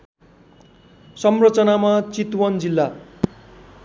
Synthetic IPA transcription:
sʌmrʌt͡sʌnamat͡sit̪wʌnd͡zilːa

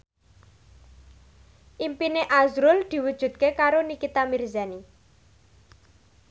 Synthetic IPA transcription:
ʔimpineʔazɾʊld̪̥i̤wud̥ʒ̥ṳt̪̚kekaɾonikit̪amirzani

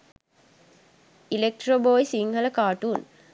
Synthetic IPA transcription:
ilek̚ʈroboːjsiŋhələkaːʈuːn

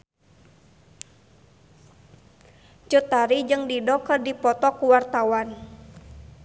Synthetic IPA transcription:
d͡ʒut̪aɾid͡ʒɨŋdidɔkərdipɔt̪ɔkuwart̪awan

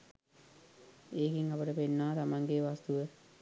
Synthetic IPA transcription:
eːkiŋapəʈəpenːaːt̪amaŋɡeʋast̪uʋə

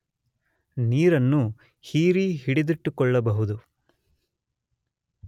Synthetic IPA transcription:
niːɾɐnːu | hiːɾiɦiɽid̪iʈːukɔɭːɐbɐɦud̪u

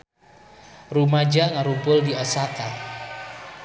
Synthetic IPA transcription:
rumad͡ʒaŋaɾubʊldiɔsaka

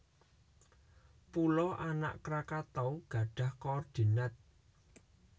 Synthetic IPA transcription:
pulɔʔana̰ʔkɾakat̪ɔwɡ̥a̤ɖ̥ä̤hkɔrd̪̥i̤nat̪̚

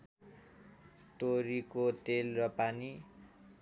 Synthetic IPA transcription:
t̪oɾikot̪elrʌpani

